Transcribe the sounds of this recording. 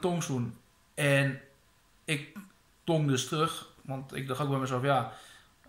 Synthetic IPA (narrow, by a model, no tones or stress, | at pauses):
toŋsun | ɛn | ɪk̚ | toŋdøstrøxʋɔntɪ̰k̚dɔxok̚bɔmɛsɔfja